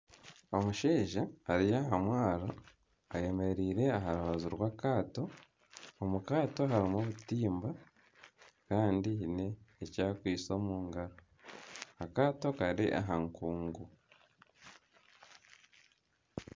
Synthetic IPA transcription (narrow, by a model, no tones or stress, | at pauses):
o̞muʃeːʒahaɾijaɦamwaːɾo | aje̞me̞ɾiːɾe̞aɦaɾuβaziɾwaːkaːto̞ː | mukaːto̞ɦaɾimoβutiːmba | kaːndiine̞ːcaːkwiːt͡so̞ːmuːŋɡaɾo | akaːto̞kaɾḭʔa̰ɦaŋkuːŋɡu